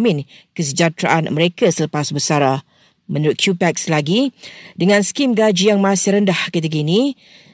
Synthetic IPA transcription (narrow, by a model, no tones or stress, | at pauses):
mɪ̃n | kəs̬əd͡ʒat̪ɾa̰ʔanməɾekasələpasbəsaɾa | mə̃nuɾʊt̪̚kʰjupɛk̚slaɡidəŋãnskimɡad͡ʒijaŋmãsɪhɾəndahkit̪̬ək̬inĩ